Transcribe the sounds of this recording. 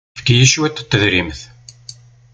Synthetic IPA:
fkjəʃwæt̪ːt̪ːəðɾimθ

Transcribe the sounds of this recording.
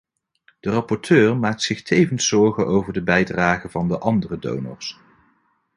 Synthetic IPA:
d̥ərɑpɔɹtʰøːɹmaːk̚tsɪχtʰejvənsɔɹχənʔowvəɹdəbɛjdraːχəvɑndəʔɑndərədo̰wnə̰ɹs

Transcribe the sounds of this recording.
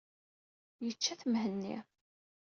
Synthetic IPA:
jət͡ʃːæθmhənːḭ

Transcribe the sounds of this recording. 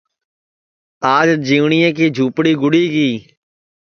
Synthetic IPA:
aːd͡ʒd͡ʒiːʋɳiːẽːkiːd͡ʒʱuːpɽiːɡʊɽiːɡiː

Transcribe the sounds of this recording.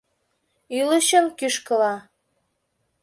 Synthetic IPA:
yləʃəmkyʃkə̆lɑ

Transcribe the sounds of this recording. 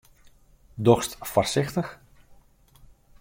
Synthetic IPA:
dɔxstfɔrsɪxtəx

